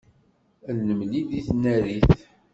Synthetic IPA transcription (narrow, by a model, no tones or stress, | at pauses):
lnəmlid̪iθnæɾiθ